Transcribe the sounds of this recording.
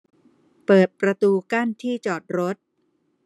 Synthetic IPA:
pɤː˨˩t̪̚pɾa˧t̪uː˧ka˥˩nt̪ʰiː˥˩t͡ɕɔː˨˩t̪̚ɾo˦˥t̪̚

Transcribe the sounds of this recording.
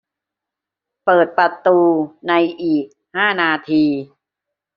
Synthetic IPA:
pɤː˨˩t̪̚pɾa˧t̪uː˧na˧jʔiː˨˩k̚haː˥˩naː˧t̪ʰiː˧

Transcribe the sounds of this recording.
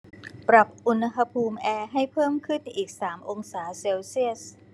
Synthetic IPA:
pɾa˨˩p̚ʔu˧nɦa˧pʰuː˧mʔɛː˧ɦa˥˩jpʰɤː˥˩mkʰɯ˥˩nʔiː˨˩k̚saː˩˦mʔo˧ŋsaː˩˦seː˧wsi˥˩əs

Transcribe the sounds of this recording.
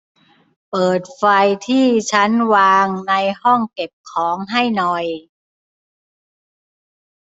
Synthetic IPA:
pɤː˨˩t̪̚fa˧jt̪ʰiː˥˩t͡ɕʰa˦˥nwaː˧ŋna˧jhɔ˥˩ŋke˨˩p̚kʰɔː˩˦ŋɦa˥˩jnɔ˨˩j

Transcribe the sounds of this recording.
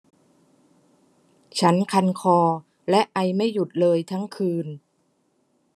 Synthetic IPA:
t͡ɕʰa˦˥nkʰa˧nkʰɔː˧ | lɛ˦˥ʔa˧jma˥˩jːu˨˩t̪̚lɤː˧jt̪ʰa˦˥ŋkʰɯː˧n

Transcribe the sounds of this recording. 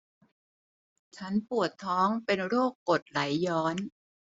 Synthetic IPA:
t͡ɕʰa˦˥npu˨˩ət̪ʰːɔː˦˥ŋpe˧nɾoː˥˩kːo˨˩t̪̚la˩˦jːɔː˦˥n

